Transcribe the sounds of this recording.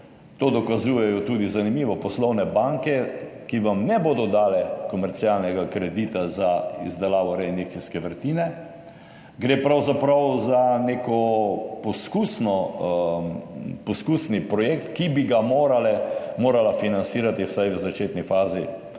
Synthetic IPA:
t̪oːd̪ɔkazuːjɛjɔt̪uːd̪izanimiːʋɔpɔslɔwnɛbaŋkɛkiʋamnɛboːd̪ɔd̪aːlɛkɔmɛɾt̪sialnɛɡakɾɛd̪iːt̪azaḭzd̪ɛlaːʋɔɾɛinek̚t͡s̪iskɛʋəɾt̪iːnɛ | ɡɾeːpɾawzapɾawzaneːkɔpɔskuːsnɔ | pɔskuːsnipɾɔjeːk̚t̪kibiɡamoːɾalɛmoːɾalafinansiːɾat̪iwsajʋəzat͡ʃeːt̪nifaːzi

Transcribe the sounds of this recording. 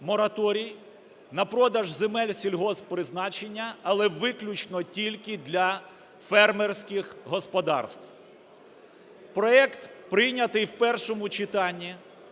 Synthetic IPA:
mɔɾɐt̪ɔɾʲij | nɐpɾɔd̪ɐʒzemɛlʲsʲilʲɦɔzpɾɪznɑt͡ʃenʲːɐɐlˠɛʋɪklʲʊt͡ʃnɔtʲilʲkɪd̪lʲɐ | fɛrmersʲkʲɪxɦɔspɔd̪ɑ̰rst̪w | pɾɔɛkt̪pɾɪjnʲɐt̪ɪjwpɛrʃɔmʊt͡ʃɪt̪ɑnʲːi

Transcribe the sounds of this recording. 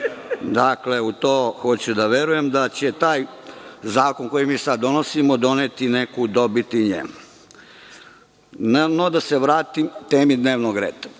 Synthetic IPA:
d̪akle̞ut̪oːxot͡ɕud̪aʋeɾujemd̪at͡ɕet̪aːjzaːkonkojimiːsad̪ːonosimod̪o̞net̪inekud̪obit̪iɲḛ | nnod̪aseʋɾaːt̪imt̪eːmid̪neːʋnoɡɾeːd̪ḁ

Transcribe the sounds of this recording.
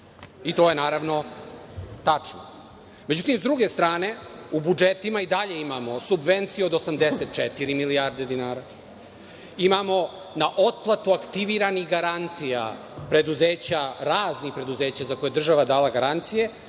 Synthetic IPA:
it̪o̞je̞naːɾaʋno̞ | t̪at͡ʂno̰ | me̞d͡ʑut̪imszd̪ɾuɡe̞st̪ɾaːne̞ubud͡ʒet̪imaid̪aʎe̞imamo̞subʋent̪sijeod̪osamd̪eset̪̚t͡ʃet̪iɾimiliaɾd̪e̞d̪inaːɾa | imamo̞ | naʔot̪̚plˠat̪uakt̪iʋiɾanixɡaɾant̪sija̰ | pɾe̞d̪uzeːt͡ɕaɾaːznixpɾe̞d̪uze̞ːt͡ɕazako̞jed̪r̩ʒaʋad̪aːlaɡaɾant̪sije̞

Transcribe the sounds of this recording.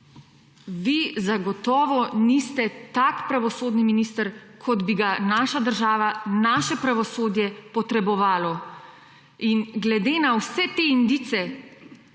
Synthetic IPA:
ʋizaɡɔt̪ɔːʋɔnist̪ɛt̪akpɾaʋɔsoːd̪niminiːst̪əɾkʰɔd̪biɡanaːʃad̪əɾʒaːʋanaːʃɛpɾaʋɔsoːd̪jɛpɔt̪ɾɛbɔʋaːlɔ | inɡlɛd̪eːnawsɛt̪eind̪it̪sɛ

